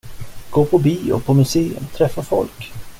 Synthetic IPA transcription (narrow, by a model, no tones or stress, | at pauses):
ɡ̥oːpʰɔbiːɔ̰pʰɔmɵseːɵ̰mt̪ʰɾɛfːafɔ̰lk